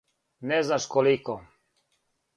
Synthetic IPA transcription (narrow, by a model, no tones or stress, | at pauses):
nɛznaʃkoliko